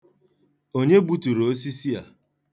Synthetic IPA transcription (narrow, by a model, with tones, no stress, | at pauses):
o˦ɲe˦bu˦tu˨ɾo˦s̬i˦si˦ja̰˨